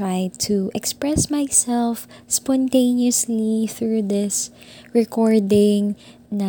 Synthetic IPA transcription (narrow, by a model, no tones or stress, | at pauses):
ɹajd̚t̪ʰuʔɛkspɹɛsmajsɛlfspɔ̃nt̪ẽɪ̃niɔsliθɹuðɪs | ɹɛkɔɹdɪ̃ŋ | nɐ